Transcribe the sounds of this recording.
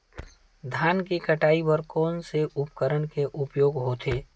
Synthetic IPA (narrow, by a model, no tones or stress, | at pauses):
d̪ʱaːnkekəʈaːibəɾkɔːnseʔʊpkəɾəɳkeʔʊpjoːɡɦot̪ʰeː